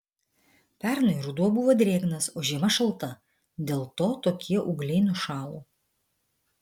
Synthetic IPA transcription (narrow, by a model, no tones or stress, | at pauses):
pʲæˑɾnɐɪɾʊd̪uɔbʊʋoːd̪ʲɾʲeːɡnɐsoːʒʲiɛmɐʃɐlˠˑt̪ɐ | d̪ʲeːlˠt̪oːt̪oːkʲʰiɛʔʊɡlʲɛɪnʊʃɑːlˠuː